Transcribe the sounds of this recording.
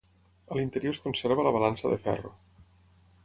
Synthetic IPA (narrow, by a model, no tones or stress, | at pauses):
əlint̪əɾjoskonseɾβ̞ələβ̞alansəðə̰fɛ̰ro̰